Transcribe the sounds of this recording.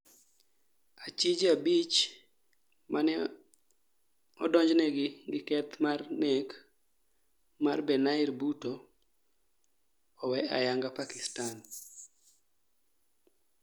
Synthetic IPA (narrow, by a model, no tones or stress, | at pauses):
at͡ʃid͡ʒabit͡ʃ | manɛ | ɔdɔɲd͡ʒnɛɡɪɡɪkɛt̪marnɛk | marbɛnaɪrbuto | wɛa̰jaŋɡapakɪstan